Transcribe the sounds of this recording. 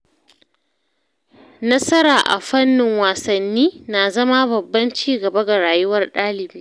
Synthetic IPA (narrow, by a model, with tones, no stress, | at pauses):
nɐ˦sɐ˦ɾaː˨ʔa̰˨ɸɐ˦nːɪ˨ŋwaː˨sɐ˨nːiː˦na˨zɐ˦ma˦bɐ˨bːɐ˦nt͡ʃiː˦ɡɐ˨bɐ˦ɡa˨ɽaː˨jʊ˦wɐ˦rɗaː˦lɪ˨biː˦